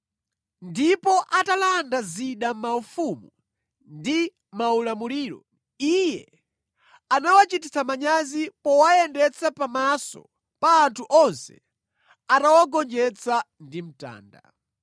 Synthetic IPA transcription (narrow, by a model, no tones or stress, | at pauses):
ndipɔʔatalandaziɗam̩maufumu | ndi | maulamuliːɾɔ̰ | ijɛ | anawat͡ʃitisamaɲazipɔwajɛndɛt͡sʰapamasɔ̰ | paːntʰuʔɔnsɛ̥̰ | atawaɡɔnd͡ʒɛt͡sʰa | ndim̩ta̰ːnda̰